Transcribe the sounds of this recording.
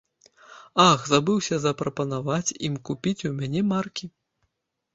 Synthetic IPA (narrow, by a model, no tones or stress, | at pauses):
axzabɨwsʲɐzɐpɾɐpɐnavat͡sʲḭmkupʲit͡sʲumʲanʲɛmarkʲi